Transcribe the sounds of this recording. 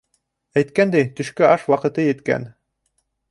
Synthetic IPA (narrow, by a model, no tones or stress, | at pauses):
æjt̪kænd̪æjt̪ɵ̆ʃkɵʔɑʃwɑqɤ̆t̪ɤjɘ̆t̪kæ̰n